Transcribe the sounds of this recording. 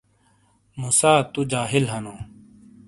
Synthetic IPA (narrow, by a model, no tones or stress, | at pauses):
muːsaːt̪ud͡ʑaːɦɪlɦɐnõː